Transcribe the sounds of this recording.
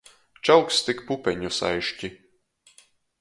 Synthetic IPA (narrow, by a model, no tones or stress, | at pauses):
t͡ʃawkst̪ikpupʲɛɲusa̰jʃcʲi